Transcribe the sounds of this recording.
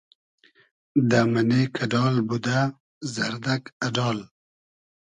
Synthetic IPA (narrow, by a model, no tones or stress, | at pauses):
d̪amanekʰaɖɑːlbud̪a | zaɾd̪akaɖɑːl